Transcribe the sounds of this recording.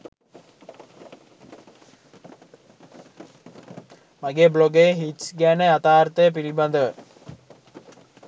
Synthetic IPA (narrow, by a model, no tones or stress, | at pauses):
maɡeːbloɡəjeɦiʈsɡæːnəat̪aːrt̪əjəp̬ilibɐnd̪əʋə